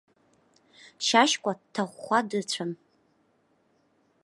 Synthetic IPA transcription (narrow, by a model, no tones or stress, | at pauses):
ʃaʃkʷʼadtʰaχʷːadɨt͡ɕʷʰam